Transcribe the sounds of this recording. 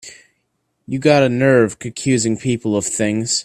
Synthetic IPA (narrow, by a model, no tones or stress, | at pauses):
jɨɡɑɾɨnɜ˞v̥kʰɨ̃nkʰj̥ʉzɪ̃ŋpʰipl̩ˠʌv̥θɪ̃ŋz̥